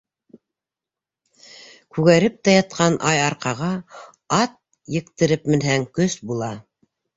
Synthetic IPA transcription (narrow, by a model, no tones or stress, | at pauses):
kʉɣæɾɘp̚t̪æjɑt̪̚qɑnʔɑjɑɾqɑʁɑ | ɑt̪̚ | jɘ̆qt̪ɘ̆ɾɘp̚mɘ̆nɦæŋkɵsbulˠɑ